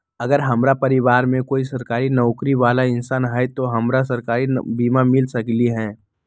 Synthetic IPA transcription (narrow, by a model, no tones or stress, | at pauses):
ɐɡəɾɦɐmɾapɐɾɪʋaːɾmẽkoːisɐɾkaːɾinɔːkɾiʋaːlaɪnsaːnɦaet̪oɦɐmɾasɐɾkaːɾinbiːmamɪlsɐkliɦɛ̃ː